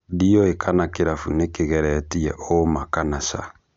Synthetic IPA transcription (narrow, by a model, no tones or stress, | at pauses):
diɔekʰanakeɾafunekeɣɛɾɛtiɛ̰ʔomakanasa̰